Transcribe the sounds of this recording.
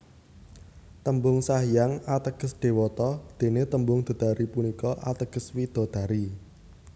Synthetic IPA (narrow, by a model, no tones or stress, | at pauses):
t̪əmbʊŋsaɦjaŋat̪əɡ̥əsɖ̪̥e̤wɔt̪ɔd̪̥e̤net̪əmbʊŋd̪̥ɔ̤d̪̥aɾipunikɔʔat̪əɡ̥ə̤swid̪̥ɔ̤d̪̥a̤ɾi